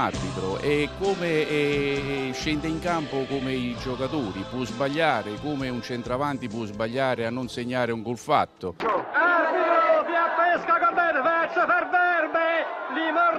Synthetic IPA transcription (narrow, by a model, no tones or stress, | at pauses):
arbit̪ɾoʔɛkːume | ʃɛnd̪eiŋkampʊkomɪid͡ʒokat̪uːɾipuzbaʎːaːɾɪkumɪunt͡ʃɛnt̪ɾavant̪ipuzbaʎːaːɾɪanːʊnseɲːaːɾɪuŋkulfa̰t̪ːʊabiɾopjapːɛskakomːed̪pɛt͡ʃːepeɾveeɾmɪlimɔ